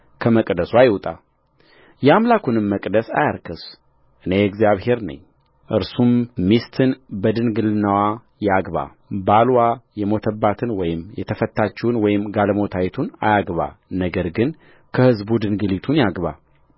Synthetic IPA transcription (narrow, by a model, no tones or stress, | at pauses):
kʰəməkʼd̪əsuajwt̪ʼa̰ | jɛamlakunɨmːəkʼd̪əsajaɾkʰɨs | ʔɨne̞ɛɡzijaβhe̞ɾnə̰ɲː | ʔɨɾsummist̪ʰɨnbəd̪ɨnɡɨlɨnːawa | jaɡβa̰ | balwajɛmo̞t̪ʰəbːat̪ʰɨnwɔjɪmjɛt̪ʰəfət̪ːat͡ʃːɛwnwɔjɪmɡalmo̞t̪ʰajɛt̪ʰuna̰jaɡβa̰nəɡəɾɡɨn | kʰəhɨzbud̪ɨnɡɨlit̪ʰunjaɡβa̰